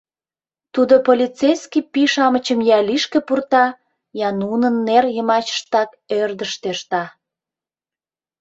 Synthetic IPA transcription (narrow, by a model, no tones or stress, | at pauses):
t̪ud̪opolʲit͡sejskipiʃɑmət͡ɕəmjɑliʃkĕpurt̪ɑ | jɑnunənːerjəmɑt͡ɕə̥ʃt̪ɑk | ørd̪əʃt̪eʃt̪ɑ